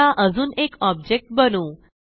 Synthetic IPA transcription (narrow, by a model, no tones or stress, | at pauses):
aʔəd͡zuːnekɔb̚d͡ʑek̚ʈ̚bənuː